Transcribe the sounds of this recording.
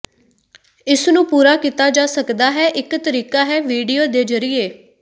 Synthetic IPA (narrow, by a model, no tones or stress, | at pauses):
ɪsnũːpuːɾaːkit̪aːd͡ʒaːsəkd̪aːɦɛːʔɪkt̪əɾiːkaːɦɛːʋiːɖijoːd̪eːd͡ʒəɾɪeː